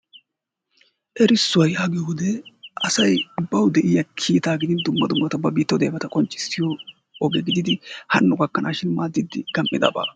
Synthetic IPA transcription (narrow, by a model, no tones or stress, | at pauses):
ʔɛɾɪsːʊwɐjhɐɡɪjhʊd̪ɛʔɐsɐjʊbːɐwd̪ɛʔɪjɐkʰiːt̪aːɡɪd̪ɪnd̪ʊmːɐd̪ʊmːɐt̪ɐbɐbiːt̪ːɐwd̪eːbɐt̪ɐkʼɔnt͡ʃʼːɪ̥st̪ːɪjɔ | ɔɡɛɡɪd̪ɪd̪ɪhɐnːʊɡɐkːɐnʔaːʃɪnmaːd̪ɪd̪ɪɡ̥ɐmʔɪd̪ɐ̰ba̰ː